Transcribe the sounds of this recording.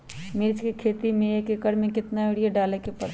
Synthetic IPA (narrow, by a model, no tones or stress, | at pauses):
mɪɾd͡ʒkekʰeːt̪imẽeːkekəɾmẽkɪt̪naeɽijeɖaːlekepɐɽ